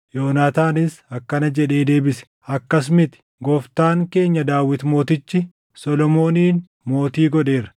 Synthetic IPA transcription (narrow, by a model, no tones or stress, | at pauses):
jo̞ːnaːt̪aːnɪsɐkːɐnɐd͡ʒɛᶑe̞ːd̪e̞ːbɪsɛ̥ | ʔɐkːɐs̬mɪt̪ɪ̥ɡɔft̪aːŋke̞ːɲːɐd̪aːwːɪt̪mo̞ːt̪ɪt͡ʃːɪ | sɔlɔmo̞ːniːn | mo̞ːt̪iːɡɔᶑe̞ːɾɐ̥